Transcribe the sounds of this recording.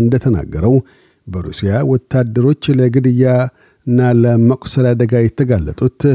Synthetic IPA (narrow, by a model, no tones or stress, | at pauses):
ɨnd̪ət̪ʰəna̰ɡːəɾəw | bəɾṵsijawɔt̪ʰːad̪ːəɾo̞t͡ʃːləɡɨd̪ɨjːa | ɨnːaləməkʷʼsəlad̪əɡajɛt̪ʰːəɡalːə̰t̪ʼut̪